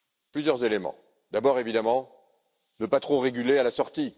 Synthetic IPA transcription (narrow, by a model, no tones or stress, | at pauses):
plyzjœʁzelemɑ̰̃ | d̪abɔʁevid̪amɑ̃ | nəpat̪χoʁeɡʲylealasɔʁt̪i